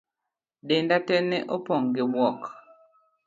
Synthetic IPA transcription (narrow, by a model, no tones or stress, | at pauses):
ɗendatɛnɛʔopɔŋɡebɔk